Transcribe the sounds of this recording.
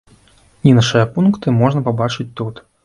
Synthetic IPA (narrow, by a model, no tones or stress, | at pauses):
nʲinaʂɨjɐpunkt̪ɨmɔʐnɐpabat͡ʂɨt͡sʲt̪ut̪